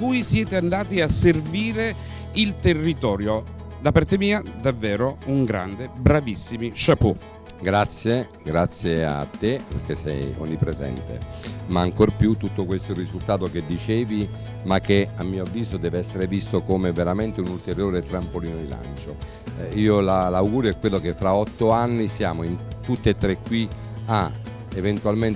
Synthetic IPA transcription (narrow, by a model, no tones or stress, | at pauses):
kujsjɛːt̪eand̪aːt̪iasːerviːɾe | ilt̪erːit̪ɔːɾjo | d̪apart̪emiːad̪avːɛːɾouŋɡɾa̰nd̪ebɾavisːimiʃapu | ɡɾat̪sːje | ɡɾat̪sːjea̰t̪ːepḛrkesɛ̰jɔ̰ɲːipːɾezɛ̰nt̪ḛmaːŋkorpjut̪ːut̪ːokwest̪oirːizult̪aːt̪oked̪ːit͡ʃeːvi | makːeamːiːoavːiːzod̪ɛːveɛsːeɾevist̪okomeveɾament̪eunult̪eɾjoːɾet̪ɾampoliːnod̪ila̰nt͡ʃo | iːolalawɡuːɾoɛkːwelːokefːɾaɔt̪ːoanːisjaːmoint̪ut̪ːeet̪ːɾekːwi | a | event̪ualmen